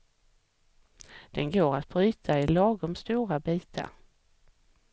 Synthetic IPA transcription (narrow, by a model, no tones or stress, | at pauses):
d̪̥ɛnɡoːɾat̪̚bɾyːt̪ʰaɪlɑːɡʊmst̪uːɾabiːt̪ʰa̰ɾ